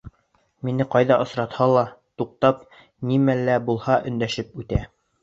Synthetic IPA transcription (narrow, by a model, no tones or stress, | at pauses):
minɘqɑjðɑʔɤ̆sɾɑt̪hɑlˠɑt̪uq̚t̪ɑp̚ | nimælːæbulˠhɑʔɵ̆nd̪æʃɘpʉt̪æ